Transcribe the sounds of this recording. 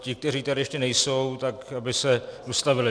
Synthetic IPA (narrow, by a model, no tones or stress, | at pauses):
cɪk̚t̪ɛriːt̪aɾɪjɛʃcɛnɛjso̞wt̪akabɪsɛdost̪avɪlɪ